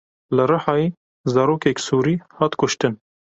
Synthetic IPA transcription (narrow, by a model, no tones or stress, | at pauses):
lɨɾɨħɑːjeː | zɑːɾoːkɛksuːɾiːhɑːt̪kʊʃt̪ɨn